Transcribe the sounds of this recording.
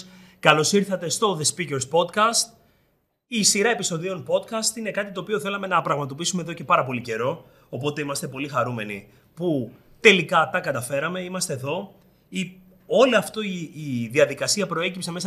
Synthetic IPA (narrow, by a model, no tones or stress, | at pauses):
kɐlo̞siɾθɐt̪e̞st̪o̞ðe̞spiceɾspo̞t̪kɐst̪ | isiɾɐe̞piso̞ðio̞npo̞t̪kɐst̪ine̞kɐt̪it̪oːpio̞θe̞lɐme̞nɐpɾɐɣmɐt̪̬o̞pisume̞ðoce̞pɐɾɐpo̞lice̞ɾo̞ | opo̞t̪e̞imɐst̪e̞po̞lixɐɾume̞nḭ | pu | t̪e̞likɐt̪ɐkɐt̪ɐfe̞ɾɐme̞imɐst̪eðo̞ | i | o̞liɐft̪o̞iːðiɐðikɐsiɐpɾo̞e̞cipse̞me̞sɐ